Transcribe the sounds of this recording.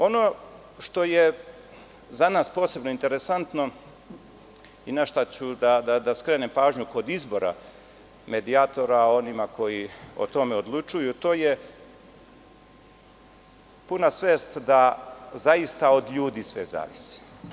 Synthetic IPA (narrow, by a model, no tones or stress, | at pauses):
o̞no̞ | ʃt̪o̞je | zanaːspoːse̞bno̞int̪e̞ɾe̞sant̪no̞ | inaʃt̪at͡ɕud̪ad̪ad̪askɾeːnempaːʒɲuko̞d̪izbo̞ɾa̰ | me̞d̪iat̪o̞ɾao̞nimako̞jio̰t̪o̞me̞o̞d̪lˠut͡ʃujut̪o̞ːje | punasʋeːst̪d̪azaist̪ao̞d̪ʎuːd̪isʋḛza̰ːʋisi̥